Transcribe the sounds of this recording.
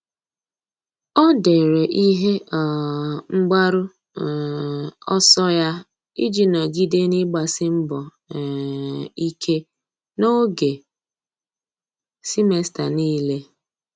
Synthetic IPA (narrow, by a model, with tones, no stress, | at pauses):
ɔ˦de˨ɾe˨ʔi˦ɦe˦˨ | ŋ͡m̩˦ɡ͡ba˦ɾʊ˦˨ | ɔ̰˦sɔ˦ja˦ | i˦d͡ʒi˦na˨ɡi˦de˦ni˦ɡ͡ba˨sɪ˦m̩˦bɔ˨ | i˦kʰe˦ | no˦ɡe˨ | si˦me˦sta̰˨niː˦le˦